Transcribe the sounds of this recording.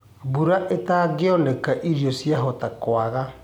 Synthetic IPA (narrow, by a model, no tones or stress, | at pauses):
buɾaʔetaɡɪɔnɛkaʔiɾjɔsjaɦɔtakwaɣa